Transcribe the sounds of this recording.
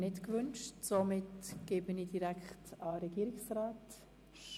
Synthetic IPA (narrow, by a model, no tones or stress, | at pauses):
nɪtkvʏnʃtsomɪtɡ̥eːbənidiɾækχtɑɾɛɡ̥iːɾɪksraːt